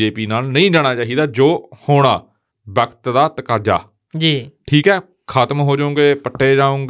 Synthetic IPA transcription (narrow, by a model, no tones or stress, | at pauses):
eːpiːnaːlnəĩːd͡ʒaːɽ̃aːt͡ʃaːɦiːd̪aːd͡ʒoːhoːɽ̃aː | bəkt̪d̪aːt̪əkaːd͡ʒa̰ː | d͡ʒiːʈʰiːkɦɛː | kʰaːt̪mɦoːd͡ʒaːʊ̃ŋɡeːpəʈʰːeːd͡ʒaːõːŋɡ